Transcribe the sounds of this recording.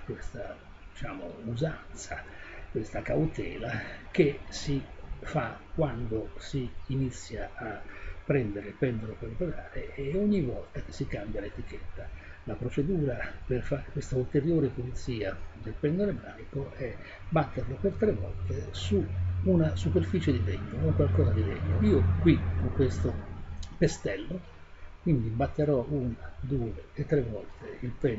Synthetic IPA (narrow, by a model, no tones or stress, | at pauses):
kwest̪a | d̪it͡ʃaːmo̰uzant̪sakwest̪akawt̪ɛːlak̟esifakːwand̪osiːnit̪sːjaːpːɾɛnd̪eɾelpɛnd̪oɾokolopoɾaːɾeːoɲːivːɔlt̪ak̟e̥sːikambjalet̪ik̟ɛt̪ːa | lapɾot͡ʃed̪uːɾaperfaːɾekwest̪ault̪eɾjoːɾepolit̪siːad̪elpɛnd̪oɾebɾaːikoɛ | bat̪ːerlopert̪ɾevːɔ̰lt̪esuːnasuperfit͡ʃed̪id̪ɛɲːooŋkwalkɔːzad̪id̪ɛɲːoiːokwiɔkːwest̪opest̪ɛlːo | kwind̪ibat̪ːeɾɔunad̪uːeːt̪ːɾevːɔlt̪eilpɛn